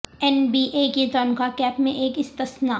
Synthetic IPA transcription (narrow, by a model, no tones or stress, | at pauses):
ɛnbiːʔeːket̪ɔːnkakɛːpmẽʔeːkɪst̪əsnaː